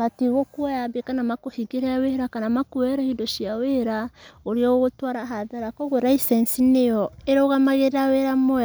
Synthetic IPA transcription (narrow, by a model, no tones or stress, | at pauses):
matiɣokwajaβekanamakohiɡiɾaaweɾakanamakuwɛɾahidoʃiaweɾaoɾiɔɣotwaɾaɦaðaɾakɔɣoɾaisɛnsinejɔeɾoɣamaɣeɾeaweɾamo